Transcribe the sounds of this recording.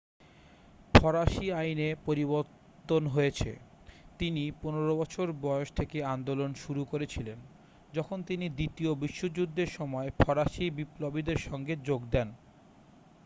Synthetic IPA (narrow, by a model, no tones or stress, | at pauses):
pʰɔɾaʃiajnepoɾiboɾt̪ːonɦojet͡ɕʰḛ | t̪iniponeɾobɔt͡ɕʰoɾbɔeoʃt̪ʰekeand̪olonʃuɾukoɾet͡ɕʰilen | d͡ʑɔkʰont̪inid̪it̪iobiʃːod͡ʑud̪ːeɾʃɔmɔepʰɔɾaʃibiplobid̪eɾʃɔŋɡed͡ʑoɡd̪ɛn